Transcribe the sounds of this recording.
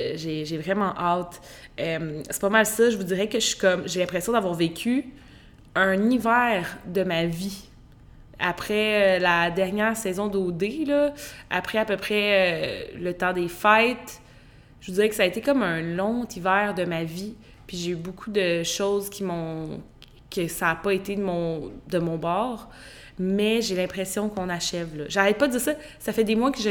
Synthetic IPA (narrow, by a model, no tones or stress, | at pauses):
ʒeʒevʁɛmɑ̃ʔat̪ | œmsɛ̥pɔmalsʌʒəvud̪iʁɛkəʃi̥kɔmʒelɛ̃pχɛsjɔ̃d̪avwaːʁvekʲʰy | ə̃nivɛːʁd̪əmavi | a̰pχɛølad̪ɛʁnjɛːʁsɛzɔ̃d̪od̪elʌa̰pχɛapøpχɛølət̪ɑ̃d̪efajt̪ | ʒəvudd͡ziʁɛkə̥saːet̪ekɔmə̃lɔ̃t̪ivɛːʁd̪əmavi | pɥiʒeybokʰud̪əʃoːzkʲimɔ̃ | kʲəsaːpʌet̪ed̪mɔ̃d̪əmɔ̃bɑːʁ | mɛʒelɛ̃pχesjɔ̃kɔ̃naʃɛvlʌʒaʁɛt̪̚pʌd̪əd͡z̪iːʁsʌ | safɛd̪emwakəʒ